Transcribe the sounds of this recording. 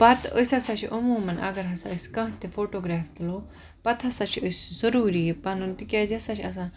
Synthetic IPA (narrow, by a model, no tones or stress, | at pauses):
pat̪ə̰sʲɐsaɕiʔəmoːmɐnʔa̰ɡɐɾɦɐsaəskãːɦt̪efoʈoɡɾaft̪lo | pat̪ɦɐsaɕiʔəszəɾuːɾijepanunt̪ikʲazjasaɕiɐs̬ã